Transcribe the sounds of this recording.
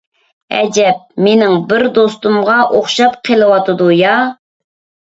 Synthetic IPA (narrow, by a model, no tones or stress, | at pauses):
ɛ̰d͡ʒɛp̚menɪŋbɪɾd̪ost̪umʁɑʔoχʃɑpqʰəlˠɨwɑt̪ɨd̪ujɑ